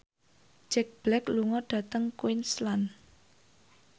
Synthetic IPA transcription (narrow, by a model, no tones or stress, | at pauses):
d͡ʒ̥ɛk̚b̥lɛkluŋɔɖ̥ä̤t̪əŋkwɪnslan